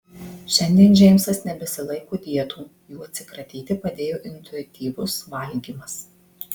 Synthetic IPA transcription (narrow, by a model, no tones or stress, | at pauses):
ʃʲɛnʲd̪ʲiɛnʒʲɛɪmʲsɐsnʲɛbʲɛsʲɪlˠɐɪkoːd̪ʲiɛt̪uː | juːɐt̪ʲsʲɪkɾɐt̪ʲiːt̪ʲɪpɐd̪ʲeːjoːʔɪnʲt̪ʊɪt̪ʲiːʋʊsʋɐlʲɡʲiːmɐs